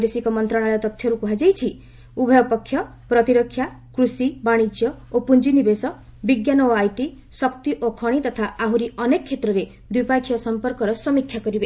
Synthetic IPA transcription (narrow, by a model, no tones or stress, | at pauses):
d̪esikɔmɔnt̪ɾaɽ̃aɭet̪ɔt̪ʰjɔɾukuɦad͡ʒejt͡ʃʰi | ubʱɔjɔpɔkʰːjɔ | pɾɔt̪iɾɔkʰːja | kɾusibaɽ̃id͡ʒjɔopund͡ʒinibesɔ | biɡjanɔoajʈisɔkt̪iʔokʰɔɽ̃it̪ɔt̪ʰaaɦuɾiɔnekɔkʰːet̪ɾɔɾe | d̪ipakʰjɔsɔmpɔɾkɔɾɔsɔmikʰːjakɔɾibe